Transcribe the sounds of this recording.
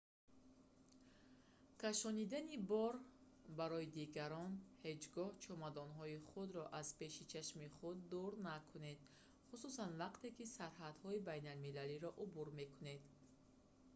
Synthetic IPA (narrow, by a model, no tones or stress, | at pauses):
kʰaʃɔnid̪anibɔɾ | baɾɔid̪iɡaɾɔnhe̞d͡ʒɡɔht͡ʃʰɔmad̪ɔnɦɔiχud̪ɾɔʔaz̥pe̞ʃit͡ʃʰaʃmiχud̪ːuɾnakʰune̞d̪̥ | χususanvaqt̪e̞kisaɾɦad̪hɔibajnalmilaliɾɔʔubuɾme̞kune̞d̪